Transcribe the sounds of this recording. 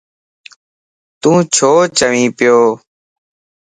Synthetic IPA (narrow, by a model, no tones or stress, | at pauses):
t̪ũːt͡ʃʰoːt͡ʃəʋĩːpɪjoː